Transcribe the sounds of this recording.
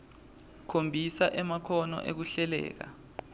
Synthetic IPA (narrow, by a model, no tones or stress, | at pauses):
kʰombʱisaʔɛmakʰɔnɔ̰ʔek̬uɬɛlɛ̰ːk̬a̰